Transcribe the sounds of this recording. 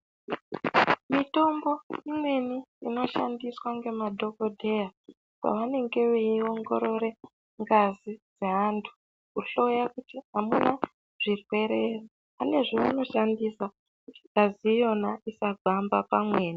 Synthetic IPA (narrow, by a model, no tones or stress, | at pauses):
mito̞mbo̞imwe̞niino̞ʃa̰ndiswaŋɡe̞madʱo̞ko̞dʱe̞ja | ka̰ʋane̞ŋɡe̞ʋeio̞ŋɡo̞ɾo̞ɾe̞ | ŋɡazid͡ze̞ɦantʰu̥ | kuɬo̞jakutiɦamuna | ʐ̥irwe̞ɾe̞ro | ane̞ʐoʋano̞ʃandisa | kuti̥ɡaziːjo̞naisaɡʱambapamwe̞ːni